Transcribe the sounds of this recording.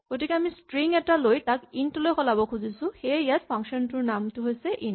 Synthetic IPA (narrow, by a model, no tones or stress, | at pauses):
ɡ̥otikɛamistɹiŋɛtalojtakintlojkʰɔlabɔkʰuzisʊ̃xejat̚pʰaŋkʃɔntʊɹnamtʊɦojsɛʔin